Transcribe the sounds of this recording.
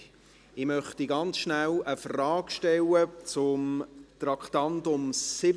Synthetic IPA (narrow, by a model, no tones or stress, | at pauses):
ɪmœχtiɡɑnt͡sʃnæləfrɑːɡ̥ʃtɛlət͡sʊmt̪rɑkʰtɑntʊmsɪ